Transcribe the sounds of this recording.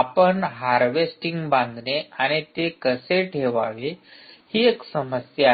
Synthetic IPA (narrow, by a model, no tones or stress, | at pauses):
apəɳɦaɾʋesʈiŋɡbãŋɡ̪neaɽ̃it̪ekəseʈʰeʋaʋehiːeksəməsja